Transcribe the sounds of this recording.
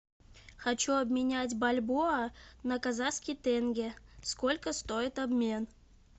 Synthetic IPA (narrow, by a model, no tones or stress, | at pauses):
xɐt͡ɕuɐbmʲɪnʲædʲbɐlʲbuɐnəkazaskʲɪjt̪ɛnɡʲeskolʲkəst̪oɪt̪ɐbmʲen